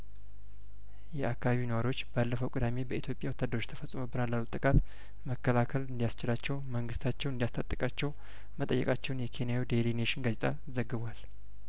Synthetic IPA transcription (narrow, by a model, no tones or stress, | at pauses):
jɛakːaβaβinəwaɾjo̞t͡ʃːbalːəfəwkʼɨd̪ame̞bəit̪jo̞pʼjawɔt̪ːad̪əɾot͡ʃːt̪ʰəfəsʼmobɨnalːalːut̪ʼːɨkʼat̪ | məkːəlakʰəlɨnd̪ijast͡ʃɪlat͡ʃːɛwməŋɡɨst̪ʰat͡ʃːɛwɨnd̪jast̪ʰʼat̪ʼːɨkʼat͡ʃːɛw | mət̪ʼə̰jːɛ̰kʼat͡ʃːɛwnjɛkʰe̞njawid̪elineʃɪnɡazet̪ʰʼa | zəɡːɨβʷal